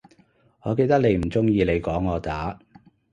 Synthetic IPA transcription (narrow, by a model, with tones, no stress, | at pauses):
ŋɔː˨˧ke˧jt̪ɐ˥k̚le˨˧jm̩˨˩t͡sʊ˥ŋjiː˧le˨˧jkɔː˨˥ŋːɔː˨˧t̪aː˨˥